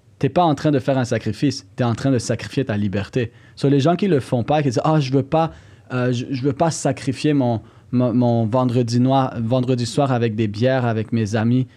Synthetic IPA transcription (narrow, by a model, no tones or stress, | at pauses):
t̪yɛpaɑ̃t̪χɛ̃d̪əfɛːʁɛ̃sakχifist̪yɛɑ̃t̪χɛ̃d̪əsakχi̥fjet̪alibɛʁt̪e | sɔleʒɑ̃kʲiləfɔ̃paekʲid̪ziʔaʒəvøpa | øʒəʒəvøpasakχifjemɔ̃ | mɔ̃mɔ̃vɑ̃d̪ʁəd̪inwavɑ̃d̪ʁəd̪iswaːʁavɛk̚d̪ebjɛːʁavɛkmezami